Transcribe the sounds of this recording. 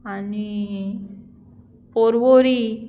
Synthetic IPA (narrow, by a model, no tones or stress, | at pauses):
ani | poɾʋoɾi